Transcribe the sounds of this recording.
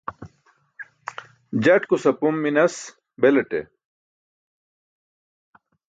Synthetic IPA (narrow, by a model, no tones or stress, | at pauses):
d͡ʑɐʈkusɐpumːinɐs | beleʈḛ